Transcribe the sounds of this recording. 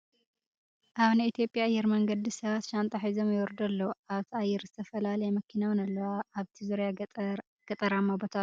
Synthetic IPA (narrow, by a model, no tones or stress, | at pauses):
ʔaβnɐit̪ʰjo̞pʼːjaʔːjːɛɾmɐŋɡɐd̪isɐβat̪ʃant̪ʼɐħizomjɛwɔɾd̪ɐlːɐwuaβt̪ʰiajːɛɾzɨt̪ʰɐfɐlalɐjɛmɐkʰinawnɐlːɐwaʔːβt̪ʰizuɾja | ɡ̥ɐt̪ʼɐɾamabot̪ʰa